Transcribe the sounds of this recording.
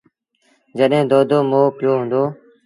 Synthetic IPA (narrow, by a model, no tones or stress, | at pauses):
d͡ʒəɗɦẽːd̪oːd̪oːmoːpjoːɦʊ̃nd̪oː